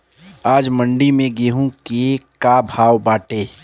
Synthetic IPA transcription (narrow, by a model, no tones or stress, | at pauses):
aːd͡ʒmə̃ɳɖimẽɡeɦũkekaːbʱaːʋbaːʈeː